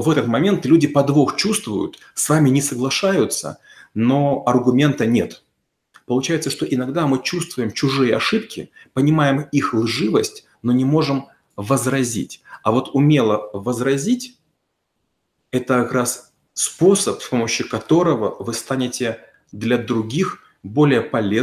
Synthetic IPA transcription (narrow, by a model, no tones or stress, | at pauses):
vɛt̪ət̪mɐmʲe̞nt̪lʲudʲɪpɐd̪voxt͡ɕust̪vʊ̰jʊ̰t̪ | svamʲɪnʲɪsəɡlˠɐʂajʊt̪sə̰ | no̞ɐrɡʊmʲe̞nt̪ənʲe̞t̪ | pəlˠʊt͡ɕæjɪt̪səʂt̪o̞ʔɪnɐɡd̪amɨt͡ɕust̪vʊjɪmt͡ɕʊʐɨjəɐʂɨpkʲɪ̰pənʲɪmajɪmixlˠʐɨvəsʲtʲ | no̞nʲɪmo̞ʐɨm | vəzɾɐzʲḭtʲɐvo̞t̪ʊmʲelˠəvəzɾɐzʲitʲ | ɛt̪əkɐkɾas | spo̞səpsʲpo̞məɕːɪkɐt̪o̞ɾəvəvɨst̪anʲɪtʲɪ | d̪lʲɐd̪ɾʊɡʲix | bo̞lʲɪjəpɐlʲe